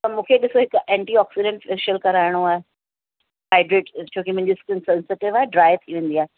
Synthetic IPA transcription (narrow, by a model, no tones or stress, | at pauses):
t̪ɐmũːkʰeɗɪsoɦɪkʔɛ̃ːɳʈiːɔːksiɖɛ̃ɳʈfeʃəlkɐɾaːɪɽ̃oaːɦe | ɦaːɪɖɾeːʈt͡ɕʰoːkimʊ̃ɦɪ̃ɲd͡ʑiskə̃nsɛ̃nseːʈɪʋaːɦeɖɾaːɪt̪ʰiʋẽːnd̪iaːɦe